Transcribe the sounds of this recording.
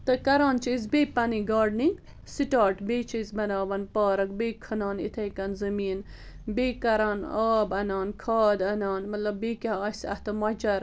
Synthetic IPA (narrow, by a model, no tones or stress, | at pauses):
t̪ɐkɐɾaːnt͡ʃiz̬beːpɐniɡaːɾɖniɡ | siʈaːʈbeːt͡ʃʰɐzbɐnaːʋɐnpaːɾɐkbeːkʰɐnaːnḭt̪ʰɐkɐnzɐmiːn | beːkɐɾaːnaːbɐnaːnkʰaːd̪ɐnaːnmɐt̪lɐbːeːkʲaɐːsɐ̰ht̪ɐmɐt͡ʃɐɾ